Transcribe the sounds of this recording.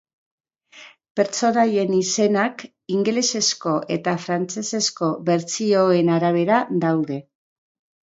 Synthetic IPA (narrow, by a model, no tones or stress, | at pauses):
pe̞ɾt͡so̞naje̞nise̞nak | iŋɡle̞se̞sko̞ʔe̞t̪afɾant͡se̞se̞sko̞βe̞ɾt͡sio̞e̞naɾaβ̞e̞ɾad̪awðe̞